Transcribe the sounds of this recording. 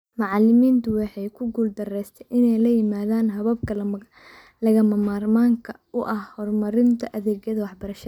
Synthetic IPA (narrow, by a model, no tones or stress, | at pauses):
mɑʕɑlɪmiːnt̪ʰʊwɑħɛjkʰʊɡuːld̪ɐrɛjst̪ʰɛjʔɪnɛjlɐjɪmaːðaːnɦɐβɐb̚kʰɐ | lɐɣɐmɐmaːrmaːŋkʰɐ | ʊʔɐhhɔrmɐɾɪnt̪ʰɐʔɐðɛːɣjɐðɐwɑħbɐɾɐʃɐɐ